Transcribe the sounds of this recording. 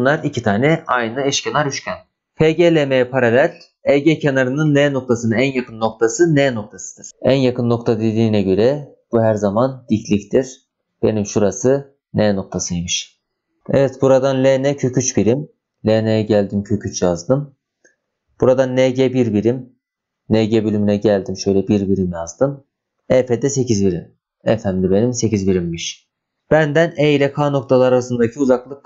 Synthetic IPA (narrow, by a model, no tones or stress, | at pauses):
nlˠaɾicʰit̪ʰaːnɛʔajnɯɛʃcʰenaɾyʃcʰʲæn | pʰeɟelʲemejpʰaɾalʲælʲ | ɛɟɛcʰenaɾɯnɯnlʲeːno̞k̚t̪ʰasɯnɯnænjakʰɯnːo̞k̚t̪ʰasɯneːnok̚t̪ʰasɯ̥d̪̥ɯɾ̥ænjakʰɯnːo̞kt̪ʰad̪ed̪iːnɛɟø̞ɾɛb̥uɦæɾzamand̪̥icʰlʲict̪ʰiɾ̥ | b̥e̞̰nimʃuɾasɯ | neːno̞k̚t̪ʰasɯjimiʃ | ɛvɛt̪buɾad̪anlʲenɛcʰø̞cʰyt͡ʃbiɾim | lʲenejɛɟælʲd̪imcʰøcʰyt͡ʃjazd̪ɯm | b̥uɾad̪anːeɟɛbiɾbiɾim | neɟɛbølymynɛɟælʲd̪imʃø̞jlʲɛbiɾbiɾimjazd̪ɯm | ɛfed̪ɛse̞cʰizbiɾḭm | ɛfæmlʲibe̞nimse̞cizbiɾimbiʃ | b̥ænd̪æneilʲɛkʰano̞k̚t̪ʰalˠaɾasɯnd̪acʰiuzaklˠɯk̚